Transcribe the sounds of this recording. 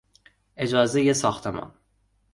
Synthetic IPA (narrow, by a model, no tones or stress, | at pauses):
ed͡ʒɒːzejesɒːxt̪ʰemɒ̰n